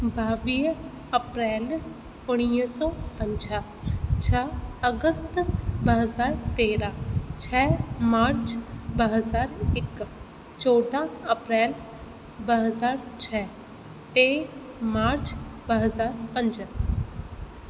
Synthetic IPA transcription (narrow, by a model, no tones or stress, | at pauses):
baːʋiː | əpɾɛːl | ʊɽ̃isɔːpəɲd͡ʒaː | t͡ʃʰəəɡəst̪bəɦəzaːɾt̪eːɾãːt͡ʃʰɛːmaːɾt͡ʃbəɦəzaːɾɪk | t͡ʃoːʈãːəpɾɛːl | bəɦəzaːɾt͡ʃʰɛː | t̪eː | maːɾt͡ʃbəɦəzaːɾpə̃ɲd͡ʒã